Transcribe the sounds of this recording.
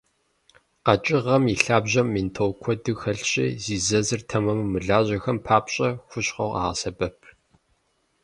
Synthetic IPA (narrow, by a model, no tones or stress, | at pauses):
qɐt͡ʃʼɪʁɐmiɬaːbʑɐmːiːntʰowkʷʰɔdɨxɐɬɕʼḭːziːzɐzɨrtʰɐmɐmːɨɮaːʑɐxɐmpʰaːpɕʼɐxʷʊɕqɐ̰ʁa̰ːʁɐsɐbɐp̚ʰ